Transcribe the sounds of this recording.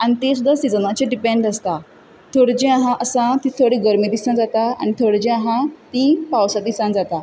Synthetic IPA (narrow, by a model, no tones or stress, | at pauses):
añit̪esud̪ʱːasid͡zənat͡ɕeɖipẽɳɖəst̪a | t̪ʰoɽd͡ʑẽãɦãʔəsãt̪it̪ʰoɽiɡəɾmid̪isãnd͡zat̪aa̰ñit̪ʰoɽd͡ʑẽãɦãt̪ipawsad̪isãnd͡zat̪a